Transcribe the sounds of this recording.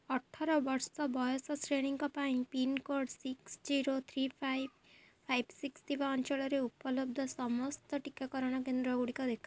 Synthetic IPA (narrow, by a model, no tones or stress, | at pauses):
ɔʈʰaɾɔbɔɾsɔbɔjɔsɔsɾeɽ̃iŋkɔpaĩpinkoɖsiksd͡ʒiɾot̪ʰɾipʰajbpʰajbsikst̪ʰibaɔnt͡ʃɔɭɔɾeupɔlɔb̚d̪ʱɔsɔmɔst̪ɔʈikakɔɾɔɽ̃ɔkend̪ɾɔɡuɽikɔd̪ekʰa